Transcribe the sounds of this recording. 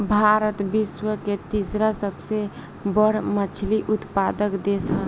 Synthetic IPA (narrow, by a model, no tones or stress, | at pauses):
bʱaɾət̪biswəket̪isɾasəbse | bəɽmət͡ʃʰliʔʊt̪pad̪əkd̪esə